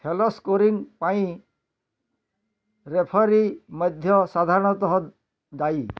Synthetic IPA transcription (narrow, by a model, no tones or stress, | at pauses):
pʰelɔskoɾiŋpaĩ | ɾepʰɔɾimɔd̪ʱjɔsad̪ʱaɾɔɽ̃ɔt̪ɔɦɔ | d̪aj